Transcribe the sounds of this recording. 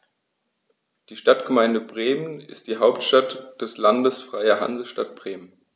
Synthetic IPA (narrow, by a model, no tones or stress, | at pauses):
d̥iːʃtatɡ̥əmaɪndəbʁeːmənɪ̰st̚d̥iːɦaʊptʃtatd̥ɛslandəsfʁ̥aɪɐɦa̰nzl̩ʃtat̚b̥ʁeːmən